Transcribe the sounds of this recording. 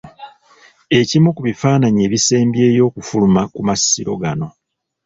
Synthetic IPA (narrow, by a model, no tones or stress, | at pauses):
e̞cimukuβifaːnaɲie̞ːβise̞ːmbje̞ːjo̞ːkufulumakumasiɾo̞ɡano̞